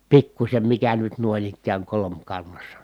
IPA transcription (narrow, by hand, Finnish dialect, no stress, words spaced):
pikːusʲem mikæ nyt nuoĭn ikːæːŋ kolomkɑnːɑsːɑ